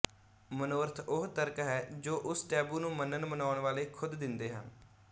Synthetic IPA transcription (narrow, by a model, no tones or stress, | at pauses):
mənoːɾt̪ʰʊɦt̪əɾkɦɛːd͡ʒoːʔʊsʈɛːbuːnũːmənənmənaːəɳʋaːleːkʰʊd̪ːɪnd̪eːɦə̰n